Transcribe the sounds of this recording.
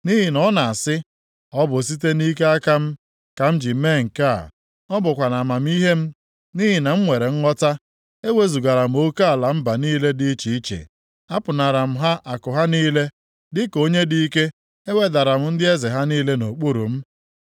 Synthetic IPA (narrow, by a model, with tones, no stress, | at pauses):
ni˦ɦi˨nɔ˦na˨a˨sɪ˦ | ɔ˦bʊ˨s̬i˦t̬e˦ni˦ke˦a˦ka˦m̩˦ | ka˨m̩˦d͡ʒi˨˦me˦˨ŋ̩˨ka˦˨ | nɔ˦bʊ˨kʷa˨na˨ma˨m̩˦i˦ɦe˦m̩˦ | ni˦ɦi˨na˨m̩˦ŋʷe˨ɾe˨ŋ̩˦ŋɔ˦ta˦ | e˦we˦zu˨ɡa˨ɾa˨m̩˦o˦ka˦a˨la˨m̩˦ba˨niː˦le˦dɪ˦t͡ʃi˨i˦t͡ʃḛ˨ | a˦pʊ˨na˨ɾa˨m̩˦ɦa˦ʔa˨kʊ˨ɦa˦niː˦le˦ | dɪ˦ko˦ɲe˦di˦i˦ke˦ | e˦we˦da˨ɾa˨m̩˦n̩˦dɪ˦e˦ze˨ɦa˦niː˦le˦no˨k͡pu˦ɾṵ˨m̩˦